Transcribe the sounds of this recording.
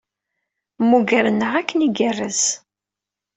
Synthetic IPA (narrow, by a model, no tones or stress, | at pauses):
mːuɡəɾənːəʁækːəniɡərːəz